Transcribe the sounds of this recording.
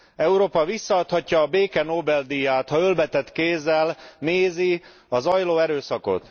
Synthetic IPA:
ɛuɾoːpɒvisːɒɒt̪hɒcːɒːbeːkɛnoːbɛld̪ijaːt̪hɒølbɛt̪ɛt̪keːzːɛlneːzi | ɒzɒjloːɛɾøːsɒko̞̰t̪

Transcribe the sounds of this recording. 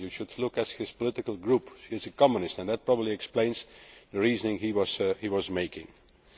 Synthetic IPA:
jɨʃʊdlʊkæt̚hɪz̥pɔlɪtɪkəl̩ˠɡɹuphiɨzɨkɑmə̃nɪstɨ̃nðæt̚pɹ̥ɑbəbliɛksplẽɪ̃nzðɨɹiːznɪ̃ŋhiwʌzhiwʌzmeɪkɪ̰̃ŋ

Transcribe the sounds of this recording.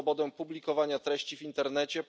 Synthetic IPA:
ɔbɔd̪ɛpublʲikɔvaɲat̪ɾɛɕt͡ɕivʲint̪ɛɾnɛt͡ɕɛp

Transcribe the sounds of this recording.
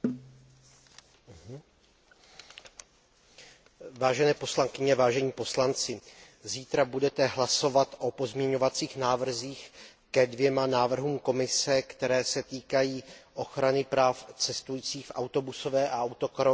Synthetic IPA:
vaːʒɛnɛːpo̞slaŋkɪɲɛvaːʒɛɲiːpo̞slant͡sɪ | ziːt̪ɾabudɛt̪ɛɦlaso̞vat̪ʔo̞po̞zmɲɛɲo̞vat͡siːxnaːvr̩ziːx | kɛdvjɛmanaːvr̩ɦuːmko̞mɪsɛkt̪ɛɾɛːsɛt̪iːkajiːʔo̞xɾanɪpɾaːft͡sɛst̪ujiːt͡siːxfʔawt̪obuso̞vɛːʔaawt̪o̞kɾo

